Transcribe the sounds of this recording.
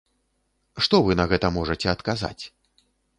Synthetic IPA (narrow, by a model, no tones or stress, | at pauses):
ʂt̪ɔvɨnɐɣɛt̪ɐmɔʐɐt͡sʲɛɐt̪kaza̰t͡sʲ